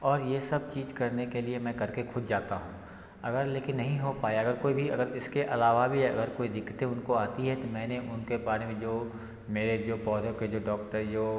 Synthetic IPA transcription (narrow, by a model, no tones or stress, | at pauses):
ɔːɾjesɐb̚t͡ʃiːd͡ʒkɐɾnekeliemɛ̃ːkɐɾkexʰʊd̪ʱd͡ʒaːt̪aɦũː | ɐɡəɾleːkɪnːɐɦĩɦopaːeɐɡəɾkoːibʱiɐɡəɾɪskeʔɐlaːʋabʱiɐ̰ɡəɾkoːid̪ɪkːt̪eʊnkoaːt̪iɦɛt̪omɛ̃ːneʔʊnkebaːɾemẽd͡ʒoː | meːɾed͡ʒoːpɔːd̪ʱoked͡ʒoːɖɔːkʈəɾjoː